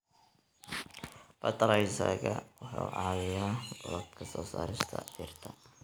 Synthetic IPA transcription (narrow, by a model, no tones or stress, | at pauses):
bɐt̪ʰɐɾɛjsɐ̰ɣɐwɑħɑ̰ʕɑːðɪjaːɡ̥ɔlɐt̪kʰɐsɔːsa̰ːɾɪst̪ʰɐ̰ɪrt̪ʰɐ